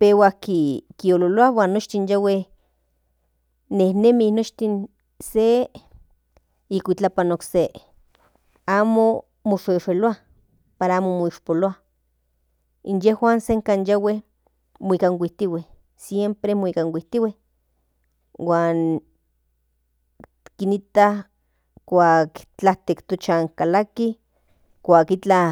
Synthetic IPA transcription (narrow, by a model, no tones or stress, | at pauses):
pewakikiololoawaːnːot͡ʃt̪injaweh | ehnemihnot͡ʃt̪in | se | ikʷit͡ɬapanokse | aːmo | moʃeʃeloa | paɾaaːmomoiʃpoloa | injehwaːnseŋkaːnjaweh | moikaŋwʷiht̪iweh | sjempɾemoikaŋwiht̪iweh | waːn | kinit̪ah | kʷaːkt͡ɬaht̪ekt̪ot͡ʃaŋkalaki | kʷaːkit͡ɬa